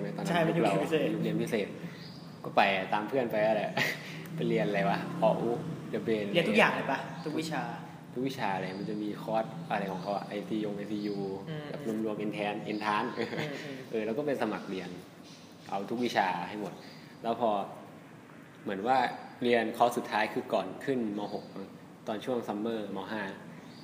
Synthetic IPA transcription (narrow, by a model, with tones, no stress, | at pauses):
na˧t̪ɔː˧na˥˧˩la˧pseː˨˩ju˦˥k̚li˧ənpʰi˦˥seː˨˩t̪̚ | kɔː˥˩pa˧jt̪aː˧mpʰɯ˥˩ənpa˧jʔaː˧˩lɛ˨˩ | pa˧jli˧ənʔa˧la˧jwa˦˥kʰɔː˧˥ʔuː˦˥li˧pli˧ən˨i˧˨˧t̪ʰu˥kjaː˨˩ŋla˧˩jpa˧t̪ʰu˦kwi˦˥t͡ɕʰaː˧ | t̪ʰu˦˥kwi˦˥˩t͡ɕʰaː˧ʔa˧la˧jma˧nt͡ɕa˨˩miː˧kʰɔː˦˥˩t̪̚ʔa˧ɾa˧jkʰɔː˩˦ŋkʰa˧˦˥wa̰˨˩ʔa˧jt̪ʰiː˧jo˧ŋʔa˧sʰiː˧juː˧ka˨˩p̚nu˧˥˩mlu˧əŋʔe˧nt̪ʰɛː˧˥nʔe˧nt̪ʰaː˦˥nʔɤː˧ʔɤː˧˩lɛ˦˥kɔː˥˩pe˧nsa˧ma˨˩k̚ɾi˧ən | ʔa˧wt̪ʰu˦˥k̚wi˦˥t͡ɕʰaː˧ha˥˩jmo˨˩t̪̚ | lɛː˦˥wpʰɔː˧ | mɯ˩˦ənwaː˥˩ɾi˧ənkʰɔ˦˥su˨˩t̪ʰːaː˦˥jkʰɯː˧kɔː˨˩nkʰɯ˥˩nma˧wɦo˨˩k̚ma˧˦ŋ | t̪ɔː˧nt͡ɕʰu˥˩əŋsa˧˦mːɤː˥˩ma˧wɦaː˥˩